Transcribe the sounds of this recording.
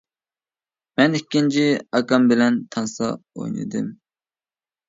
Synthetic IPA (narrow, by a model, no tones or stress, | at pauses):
mɛnikʲːint͡ʃʰiɑkɑmbɪlɛnt̪ʰɑnsɑ̰o̰jnɨ̰d̪ɨm